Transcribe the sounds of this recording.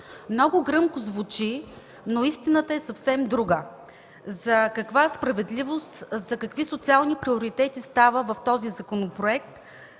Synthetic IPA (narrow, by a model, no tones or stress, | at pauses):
mnɔɡʊɡɾɤmkʊzvut͡ʃi | noist̪inət̪əɛsɐfsɛmd̪ɾuɡə | zɐkɐkvaspɾɐvɛd̪livost̪zɐkɐkvisot̪sialˠnipɾioɾit̪ɛt̪ist̪avəvɐft̪ɔzizɐkonopɾoɛk̚t̪